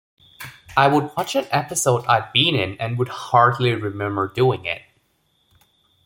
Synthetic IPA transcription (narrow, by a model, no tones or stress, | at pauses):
aɪwəd̚wɑt͡ʃɨ̃nɛpɨsoʊɾa̰ɪvbĩnɪ̃nɨ̃nwəd̚hɑɹdˡliɹɨmɛ̃mbə˞duɪ̃ŋɪ̰t̚